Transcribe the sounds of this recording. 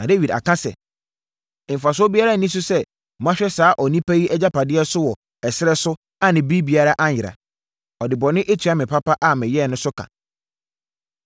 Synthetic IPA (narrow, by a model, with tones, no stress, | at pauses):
nã˨de˦wi˨da̰˨kã˦sɛ̰˨ | m̩˨fa˨s̬ʊ˦ɔ˦bi˦a˦ɾa˦˨nĩ˦s̬ʊ˦sɛ˦ | ɔ˨mã˦ɕᶣɛ˦saː˨˦ʔɔ˨nĩ˦pʰa˦ji˦ʔɛ˦d͡ʑa˦pʰa˨dɪ˦ɛ˦sʊ˦wɔ˨ | ɛ˨sɪ˦ɾɛ˦sʊ˦ | a˦nɪ̃˨bi˦bi˦a˦ɾa˦ʔa˦ɲ˨ɪ˨ɾa̰˨ | ɔ˨dɪ˨bɔ˨nɪ̃˦ʔe˦tʰi˨˦a˦mɪ̃˨pʰa˦pa˦ʔa˦˨mɪ̃˨jɛ˦˨nʊ̃˦sʊ˦kʰã̰˨